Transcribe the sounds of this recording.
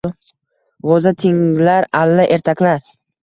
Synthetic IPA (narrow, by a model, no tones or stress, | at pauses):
ʁɒzat̪ʰɪŋlaɾalːaʔe̞ɾt̪ʰakʲlaɾ